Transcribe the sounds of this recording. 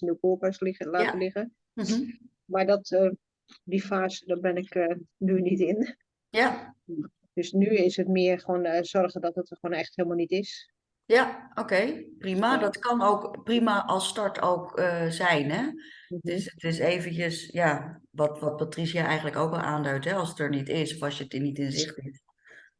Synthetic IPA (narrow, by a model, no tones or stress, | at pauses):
nuwkoːpəslaːəlɪɣə | maɹdɔtə | difaːzədɔbɪnɪkənynitɪn | ja | d̥øsnyɪsətmɪərxəʋoːnz̥ɔrɣədɔtətxoːnɛxtheːlˠmalˠnitɪs | jaʔowkejprimadɔtkɑnowkprimaʔɑlˠstɑɹtʰowkəzɛjnɦɛdəsətɪseːvənəsjaʋɔtʋɔt̚patrisjaʔɛjχən̩ləkowkɛlˠʔa̰ːndœɥtɦɛɑlˠsətəɹnitɪsɔfɑsjətinitɪnzɪχtit